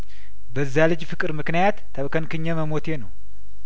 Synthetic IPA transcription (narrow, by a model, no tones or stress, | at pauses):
bəzːjalɨd͡ʒfɨkʼɨɾmɨknijat̪ʰːəβkənkɨɲːaməmo̞t̪jenəw